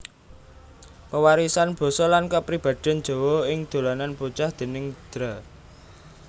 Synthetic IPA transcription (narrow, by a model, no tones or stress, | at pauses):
pəwaɾisanb̥o̤sɔlankəpɾib̥ä̤d̪̥ɛ̤n̥d͡ʒ̥o̤wɔɪŋd̪̥o̤lananput͡ʃahd̪̥e̤nɪŋd̪̥ɾa